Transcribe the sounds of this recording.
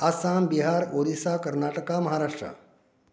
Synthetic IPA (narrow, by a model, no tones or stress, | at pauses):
asambiɦaɾod̪isakəɾnaʈəkaməɦaɾaʂʈɾə̰